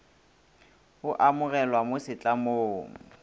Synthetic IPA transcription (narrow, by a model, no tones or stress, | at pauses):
ʊʔamʊɣɛlwamʊsɪt͡ɬʼamoːŋ̩